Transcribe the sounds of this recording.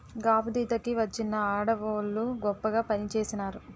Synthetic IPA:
ɡaːpud̪iːt̪ɐkiʋɐt͡ʃːinːɐaːɽɐʋoːlːuɡɔpːɐɡaːpɐnit͡ʃeːsinaːɾu

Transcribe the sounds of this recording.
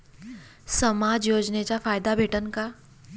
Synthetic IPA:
sɐmaːd͡ʒjoːd͡ʒnet͡ʃafaːjd̪abʱeːʈənka

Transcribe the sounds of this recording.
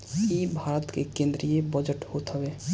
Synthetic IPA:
ibʱaɾət̪kekẽnd̪ɾijebəd͡ʒəʈhot̪ɦɔbe

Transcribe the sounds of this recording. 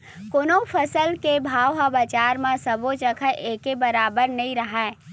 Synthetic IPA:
koːnopʰəsəlkebʱaːwɦabət͡ʃaːɾmẽsəbot͡ʃəkʰəʔeːkebəɾaːbəɾnəĩɾəɦɛː

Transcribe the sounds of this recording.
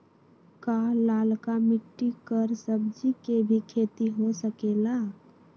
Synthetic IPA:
kaːlaːlkamɪʈːikəɾsəb̚d͡ʒikebʱikʰeːt̪iɦosəkeːlaː

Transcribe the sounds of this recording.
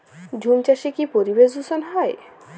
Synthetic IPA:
d͡ʑʱumt͡ɕaʃikipoɾibeʃd̪usonɦɔj

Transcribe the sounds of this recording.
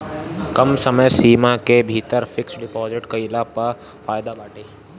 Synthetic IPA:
kəmsəməjsiːmakebʱit̪əɾfɪksɖɪpɔːzɪʈkəilapə | faːjd̪abaːʈʰeː

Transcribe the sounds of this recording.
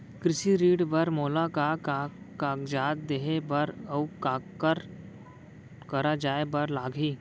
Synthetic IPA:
kɾɪʃiɾiːɖbɐɾmoːlakaka | kaːkd͡ʒaːd̪̚d̪eɦebɐɾəukaːkkəɾ | kɐɾad͡ʒaːebɐɾlaːɡʱɦiː

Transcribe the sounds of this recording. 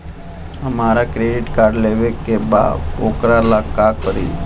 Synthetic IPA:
amaɾakɾeɖiʈkaɾɽleʋekeba̰okɾalakakəɾḭ

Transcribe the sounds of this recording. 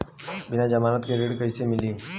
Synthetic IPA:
bɪnad͡ʒəmaːlət̪keɾeːɽkəisemɪliː

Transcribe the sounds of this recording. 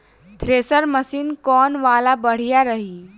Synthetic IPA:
t̪ʰɾesəɾməsiːnkɔnʋalabəɽ̤jaɾəɦi

